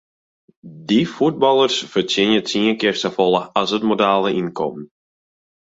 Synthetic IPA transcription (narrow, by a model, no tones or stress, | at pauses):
difud̚bɑlˠərsfərtɪnjət͡siənkɪrstəfɔlˠəasətmodaːlˠəʔinkʰɔ̰mn